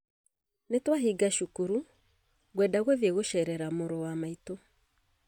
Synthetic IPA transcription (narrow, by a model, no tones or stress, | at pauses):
netwaɦiɡaʃukuɾu | ɣwɛdaɣweðjeɣoʃɛɾɛɾamoɾowamaito